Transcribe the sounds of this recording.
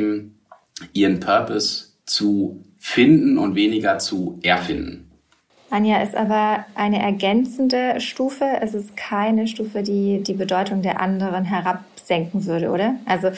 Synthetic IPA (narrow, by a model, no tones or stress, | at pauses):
m̩ | ʔiːʁənpʰœɐpɔs | t͡su | fɪndn̩ʊ̰ntv̥eːnɪɡɐt͡suʔɛɐfɪndn̩ | ʔanjaʔɪstʔaːbɐʔaɪnəʔɛɐɡɛnt͡sn̩dəʃtuːfəʔɛsɪstkʰaɪnəʃtuːfədiːdiːbədɔʏtʊŋdeːɐʔandəʁ̞ənɦɛʁap̚z̥ɛŋkŋ̩vʏɐɾəʔo̰ːɾɐʔalzo